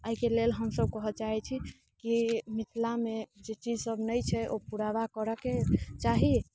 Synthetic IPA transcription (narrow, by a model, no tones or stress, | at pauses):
əɦikelelɦəmsəb̚kəɦət͡ʃaɦɛt͡ʃʰi | kimit̪ʰlamed͡ʒet͡ʃid͡ʒsəbnəjt͡ʃʰɛʔopuɾabakəɾəket͡ʃaɦi